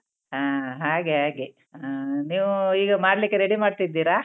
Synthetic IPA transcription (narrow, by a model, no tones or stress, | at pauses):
ɦaːɦaːɡeɦaːɡe | aniːʋuiːɡɐmaːɽlikːeɾeɽimaːɖt̪id̪ːiːɾa